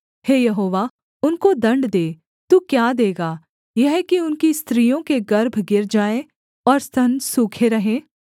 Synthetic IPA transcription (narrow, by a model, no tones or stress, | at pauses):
heːjɐɦoːʋaː | ʊnkod̪ɐ̃ɳɖd̪eː | t̪uːkjaːd̪eːɡaː | jɐɦkiʊnkist̪ɾijõkeɡɐɾbʱɡɪɾd͡ʒaːẽ | ɔːɾst̪ʰɐnsuːkʰeɾɐɦẽː